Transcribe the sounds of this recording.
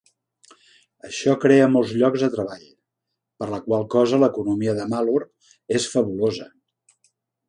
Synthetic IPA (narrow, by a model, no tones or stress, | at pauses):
əʃɔkɾeəmolˠzʎɔɡzðət̪ɾəβaʎ | pəɾləkwalˠkɔzələkunumiəðəmaluɾ | esfəβulozə